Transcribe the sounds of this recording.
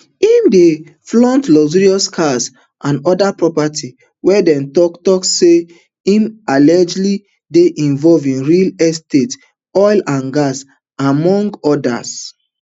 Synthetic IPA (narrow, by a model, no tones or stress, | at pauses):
imde | flɔ̃ntlɔziɹiɔskʰas | ʔãnɔdapɹɔpatʰi | wɛdɛ̃ntɔktɔksːe | imalɛd͡ʒli | deʔĩɱvɔlvĩnɹilɛstet | ɔjlãnɡas | amɔ̃ŋɡɔda̰s